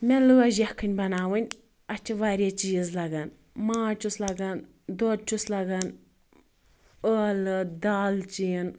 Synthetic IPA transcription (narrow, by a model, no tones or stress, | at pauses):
melɨɐʒɐhkʰɨnʲbɐnaːʋɨnʲ | ɐt͡ʃʰiʋaːɾʲet͡ʃiːzlɐɡɐn | maːt͡ʃuslɐɡɐn | d̪oːt͡ʃuslɐɡɐn | əlɨd̪aːlt͡ʃin